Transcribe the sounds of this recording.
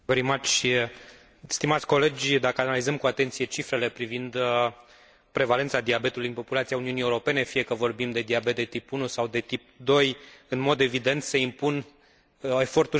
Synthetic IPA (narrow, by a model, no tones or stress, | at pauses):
vəɾimat͡ʃ | st̪imat̪sʲko̞le̞d͡ʒʲd̪akəanalizəmkuat̪e̞nt̪sije̞t͡ʃifɾe̞le̞pɾivind̪ | pɾe̞vale̞nt̪sad̪iabe̞t̪ulujɨnpo̞pulat̪siauniunieuɾo̞pe̞ne̞fije̞kəvo̞rbimd̪e̞d̪iabet̪̚d̪et̪ipunusawd̪e̞t̪ip̚d̪o̞jɨnmo̞d̪e̞vid̪e̞nt̪se̞impun | e̞fo̞rt̪u